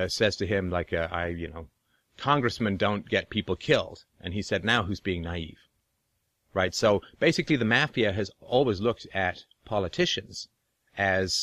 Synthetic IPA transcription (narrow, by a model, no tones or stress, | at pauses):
sɛz̥tʰɨɪ̃mlaɪkɨa̰ɪjɨnoʊ | kʰɑ̃ŋɡɹɨsmɨ̃ndõʊ̃nɡ̥ɛt̚pʰipl̩ˠkʰɪlˠd̥ | ʔɨ̃nisɛdⁿnaʊɦʉzbiɪ̃ŋnaɪḭv̥ | ɹaɪtsoʊb̥eɪsɨkliðɨmæfiɨɨzɔlˠwizlʊk̚tɨt̚ | pʰɑlˠətʰɪʃɨ̃nz̥ | ɨz̥